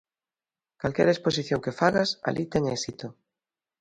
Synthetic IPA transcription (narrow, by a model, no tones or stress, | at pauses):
kalkḛɾesposiθjoŋkefaɣasa̰lʔit̪eŋesit̪o